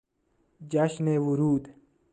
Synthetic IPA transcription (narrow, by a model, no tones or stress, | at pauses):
d͡ʑaɕnewuɾuːd̪